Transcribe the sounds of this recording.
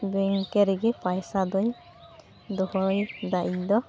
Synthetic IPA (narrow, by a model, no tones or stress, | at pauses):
ɡeŋkɛɾiɡɛpajsad̪ɔj | d̪ɔhɔjd̪aʔid̪ɔ